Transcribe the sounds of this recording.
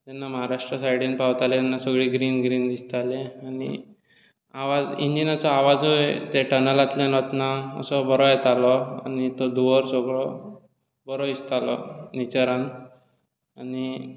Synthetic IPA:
t̪ɛnːaməɦaɾaʂʈɾəsajɽiːnpawt̪alet̪ɛnːasəɡɭiːɡɾiːnɡɾiːnd̪ist̪aleanḭ | aʋad͡zind͡ʑinat͡sɔaʋad͡zot̪eʈənəlat̪lenɔt̪naə̰sɔbəɾɔjet̪alɔa̰nit̪ɔd̪uʋəɾsɔɡɭɔ | bəɾɔist̪alɔ̰nit͡ɕəɾan | ani

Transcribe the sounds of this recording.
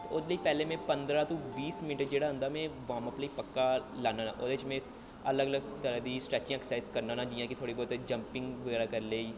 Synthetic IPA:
t̪ːʊd̪ləiːpɛːlẽːmɛ̃ːpənd̪ɾaːt̪õːbiːsmɪnʈd͡ʒeːɽaːɦʊ̃nd̪aːmɛ̃ːʋãːməpləiːpəkːaːlaːnaːna̰ːʔoːd̪eːt͡ʃmɛ̃ː | ələɡələɡt̪əɾd̪iːsʈɾɛːt͡ʃɪãːɛksaɪskəɾnãːnãːd͡ʒɪːjãːkɪt̪ʰoːɽiːbɔːt̪d͡ʒəmpɪ̃ŋɡʋəɣɛːɾaːkəɾleːiː

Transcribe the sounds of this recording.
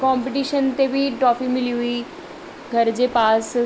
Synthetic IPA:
kɔ̃ːmpeʈiːʃənt̪ebʱiʈɾɔːfimɪliɦʊiː | ɡʱəɾd͡ʑepaːs

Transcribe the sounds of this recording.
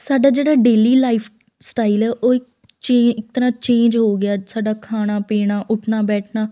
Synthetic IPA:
saːɖaːd͡ʒeːɽaːɖeːliːlaːɪpʰ | sʈaːɪlɛːʔoːɪk̚ | t͡ʃẽːɪk̚t̪əɾãːt͡ʃẽːnd͡ʒɦoːɡɪjaːsaːɖaːkʰaːɽ̃aːpeːɽ̃aːʔʊʈʰnaːbɛːʈʰnaː

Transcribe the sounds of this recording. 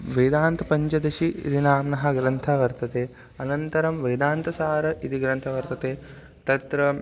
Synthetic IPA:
ʋɐjd̪aːnt̪ɐpɐɲt͡ʃɐd̪ɐʃḭɾinaːmnɐɦɐɡɾɐnt̪ʰɐʋɐɾt̪ɐt̪eː | ɐnɐnt̪ɐɾɐmʋɐjd̪aːnt̪ɐsaːɾɐʔit̪iɡɾɐnt̪ʰɐʋɐɾt̪ɐt̪eː | t̪ɐt̪ɾɐ

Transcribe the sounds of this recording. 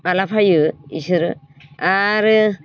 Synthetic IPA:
alapʰajɯisɯɾɯ | aɾɯ

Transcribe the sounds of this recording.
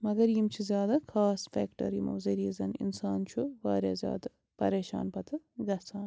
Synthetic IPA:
mɐɡɐɾjimt͡ʃʰizʲjaːd̪akʰaːsfeːkʈɐ̰ɾjimɐ̰ʋzɐɾiɐzɐnḭnsaːnt͡ʃʰuʋaːɾʲja̰ːzʲja̰ːd̪ɐ | pɐ̰ɾeːʃa̰ːnpɐt̪ʰɨ | ɡɐt͡sʰaːn

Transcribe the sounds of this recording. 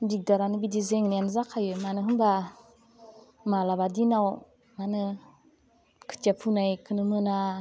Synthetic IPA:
bik̚daɾanɯbidizeŋnianzakʰajɯmanɯɦɯmba | malabadinaw | manɯ | kʰɯ̥tiapʰunajkʰɯnɯmɯna

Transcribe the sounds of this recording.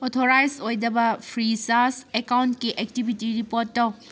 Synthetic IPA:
otʰoɾajsojdɐbɐpʰɾisasekawntkiʔek̚tibʱitiɾipoɾtːɐw

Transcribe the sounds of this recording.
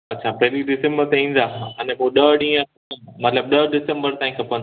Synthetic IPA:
ɐtːɕʰapɐɦɪliɖɪsə̃mbəɾt̪eĩːn̆d̪ãːɐnɛ̃poɗəɗĩːə̃ | mɐt̪ləb̚ɗəɖɪsə̃mbəɾt̪ãːĩkʰɐpɐn

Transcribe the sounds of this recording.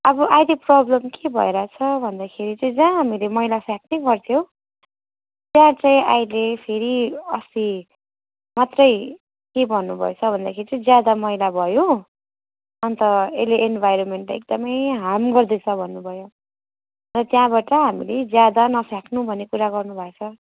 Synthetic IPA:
ʌbʌʔajdeprʌblʌmkebʱʌ̰eɾat͡sʰʌbʱʌnd̪akʰeɾit͡sʌĩd͡zãɦamilemʌjlapʰjak̚nʌɡʌrt̪ʰjow | t̪jãt͡sʌjĩʔajlepʰeɾiʌst̪i | mat̪rʌj | kebʱʌnːubʱʌ̰et͡sʰʌbʱʌnd̪akʰeɾit͡sʌĩd͡zjad̪amʌjlabʱʌjo | ʌnt̪ʌeleʔenbʱajɾonmeɳʈḛk̚d̪ʌmʌjɦamɡʌrd̪et͡sʰʌbʱʌnːubʱʌjo | rʌt̪jãbaʈʌɦamiled͡zjad̪anʌpʰjaknubʱʌnːekuɾaɡʌrnubʱat͡sʰʌ

